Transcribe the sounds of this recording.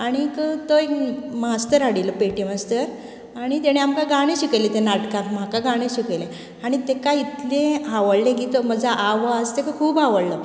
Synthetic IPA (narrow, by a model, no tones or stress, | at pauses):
aɽ̃ikət̪oekmast̪əɾaɽiləpeʈemast̪əɾ | aɽ̃it̪eɽ̃eamkaɡaɽ̃ẽɕikəjlet̪enaʈkam̤akaɡaɽ̃ẽɕikəjle | aɽ̃it̪ekait̪lẽɦaʋəɽlẽk̬it̪oməd͡zʱaʔaʋad͡zt̪ekakʰuːbɦaʋəɽlə